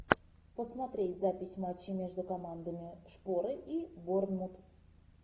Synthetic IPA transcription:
pəsmat̪ɾʲetʲzapʲɪsʲmat͡ɕːɪmʲe̞ʐd̪ʊkɐmand̪əmʲɪʂpo̞ɾɨʔibornmut̪

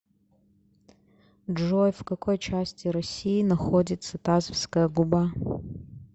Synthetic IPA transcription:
ʐojfkɐkʰojt͡ʃasʲtʲɪɾɐsʲijːnɐxodʲɪt̪sɐt̪azfskəjɐɡuba

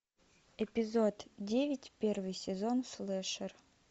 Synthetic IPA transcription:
ɛpʲɪzot̪dʲevʲɪtʲpʲervɨjsʲɪzonslˠɛʂɨr

